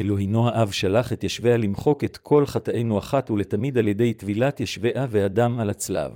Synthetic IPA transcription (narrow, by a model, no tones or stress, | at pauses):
eloɦino̞haʔavʃalaχet̪jaʃvealimχo̞ket̪kʰo̞lχataʔejnuaχatuletamid̪alje̞d̪e̞jt̪vilat̪jeʃveʔaveadamalat͡sla̰v